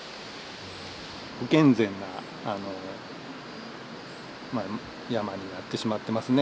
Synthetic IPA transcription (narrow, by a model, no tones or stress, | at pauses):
hokẽ̞nd͡zẽ̞nːa | ano | ma | jamaɲ̟inat̪ːe̞ɕimat̪ːe̞masɨne